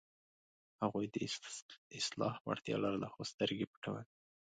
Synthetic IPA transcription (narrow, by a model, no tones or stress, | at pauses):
haɣujd̪ə | ɪslɑ̰hwa̰ɽt̪jɑ̰laɾlaxost̪əɾɡepə̥ʈawan